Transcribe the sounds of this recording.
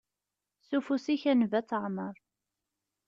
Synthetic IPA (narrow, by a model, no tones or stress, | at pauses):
sufusiçænvæt͡sːəʕməɾˤ